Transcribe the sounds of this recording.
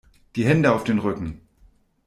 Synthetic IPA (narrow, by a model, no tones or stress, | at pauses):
d̥iːɦɛndəaʊfd̥eːnʁʏkŋ̩